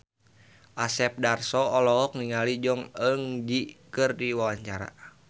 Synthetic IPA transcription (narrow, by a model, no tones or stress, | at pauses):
ʔasɛp̚darsɔːlɔɔk̚niŋalid͡ʒɔŋəŋdikɨrdiwawaɲt͡ʃaɾa̰